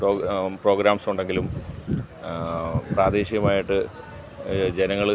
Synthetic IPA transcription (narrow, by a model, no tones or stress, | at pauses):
roːpro̞ːɡɾaːmsuɳɖe̞ŋɡilum | praːd̪eːɕiɣɐmaːjiʈːɨ | d͡ʑenɐŋːɐɭ